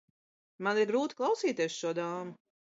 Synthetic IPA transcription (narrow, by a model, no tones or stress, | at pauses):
maniɾɡɾuːt̪i̥klˠawsiːt̪eɛsʃuɔd̪aːmu